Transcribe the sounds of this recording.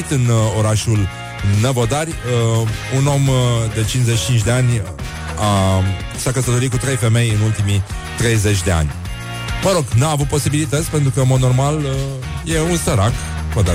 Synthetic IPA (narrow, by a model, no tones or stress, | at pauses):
it̪ɨno̞ɾaʃul | nevod̪arʲəuno̞md̪e̞t͡ʃinzet͡ʃt͡ʃint͡ʃʲd̪e̞anʲ | a | ʃakəsət̪o̞ɾikut̪ɾe̞jfe̞me̞jɨnult̪imi | t̪ɾe̞jze̞t͡ʃʲd̪e̞a̰nʲ | məɾo̞ɡnaːvut̪̚po̞sibilit̪ət̪sʲpe̞nt̪ɾukəɨnmo̞d̪no̞rmalə | je̞unsəɾak | vod̪a